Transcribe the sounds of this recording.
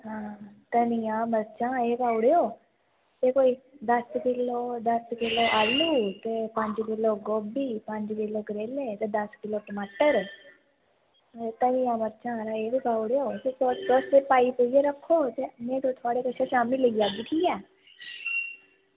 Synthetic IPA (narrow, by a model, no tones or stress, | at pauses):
ɦãːt̪ənijãːməɾt͡ʃãːeːbaːʊɽeːoː | t̪eːkoːiːd̪əskɪloːd̪əskɪloːʔaːlːuːt̪eːpəɲd͡ʒkɪloːɡoːbiːpəɲd͡ʒkɪloːkəɾeːleːt̪eːd̪əskɪloːʈəmaːʈəɾ | t̪ənijãːməɾt͡ʃãːɾaeːbiːbaːuɽeːoːt̪eːsodoːsepaːiːped͡ʒeːɾəkʰːoːt̪eːmẽːd̪õːt̪ʰʊaːɽeːkəʃʰẽːʃaːmiləiːaːɡiːʈʰiːɛː